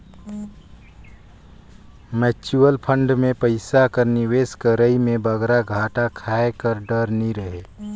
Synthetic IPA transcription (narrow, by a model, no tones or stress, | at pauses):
mɛt͡ʃuəlpʰəɳɖmepəɪsakəɾniweskəɾəimebəɡɾaɡʱaʈakʰaekəɾɖəɾniɾəɦe